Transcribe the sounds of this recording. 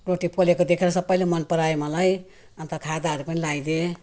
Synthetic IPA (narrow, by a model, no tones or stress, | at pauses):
roʈipʰolekod̪ekʰeɾʌsʌbːʌjlemʌnpʌɾaemʌlaj | ʌnt̪ʌkʰad̪aʌɾupʌnilaid̪e